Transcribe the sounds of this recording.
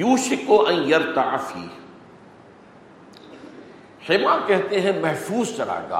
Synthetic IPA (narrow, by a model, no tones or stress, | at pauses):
juːʃɪkoʔɐ̃njɐɾt̪aʕfḭː | seːmaːkɛɦt̪eɦɛ̃mɐɦfuːzt͡ʃɐɾa̰ːɡa̰ː